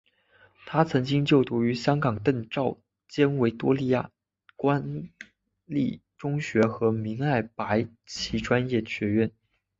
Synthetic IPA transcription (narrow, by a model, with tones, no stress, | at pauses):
t̪ʰa˥t͡sʰɤ˧˥ŋt͡ɕi˥ŋt͡ɕjo˥˩ʊt̪u˧˥y˧˥ɕjɑ˥ŋkɑ˨˩ŋt̪ɤ˥˧ŋʈ͡ʂɑ˥˩ʊ | t͡ɕjɛ˥nwe˧˥ɪt̪wɔ˥li˥˧ja̰˥˩ | kwa˥n | li˥˩ʈ͡ʂʊ˥ŋɕɥɛ˧˥xɤ˧˥mi˧˥ŋa˥˩ɪpa˧˥ɪ | t͡ɕʰi˧˥ʈ͡ʂwa˥njɛ˥˩ɕɥɛ˧˥ɥɛ˥˩n